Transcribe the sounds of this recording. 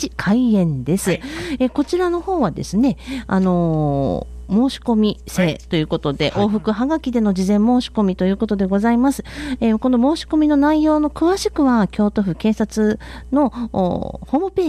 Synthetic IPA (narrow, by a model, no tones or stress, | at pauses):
ikʰaiẽ̞nd̪e̞sɨeko̞t͡ɕiɾano̞ho̞ːβad̪e̞̰sɨne̞a̰no̞ | mo̞ːɕi̥ko̞mʲise̞ːt̪o̞jɯ̟ːko̞t̪o̞d̪e̞̰ʔo̞ːɸɯ̟kɯ̟ɦaɡakʲid̪e̞no̞d͡ʑizẽ̞mːo̞ːɕi̥ko̞mʲit̪o̞jɯ̟ːko̞t̪o̞d̪e̞ɡo̞zaimasɨ̥eko̞no̞mo̞ːɕi̥ko̞mʲino̞naijo̞ːno̞kɯ̟βaɕi̥kɯ̟βakʲo̞ːt̪o̞ɸɯ̟kẽ̞ːsat͡sɨ | no̞̰ | ho̞ːmɯ̟pe̞ː